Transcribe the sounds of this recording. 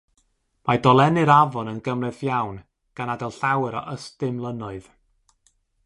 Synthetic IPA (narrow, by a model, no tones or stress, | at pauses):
majdɔlˠɛnɨɾavɔnənɡəmrɛθjawn | ɡ̥anadɛlˠɬawɛɾɔ̰ʔəstɪmlˠənɔɨð̥